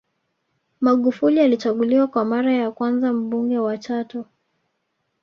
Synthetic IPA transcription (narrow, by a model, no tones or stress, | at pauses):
maɠufulialit͡ʃaɠuliwakwamaɾajakwanzam̩ɓuŋɡɛwat͡ʃatɔ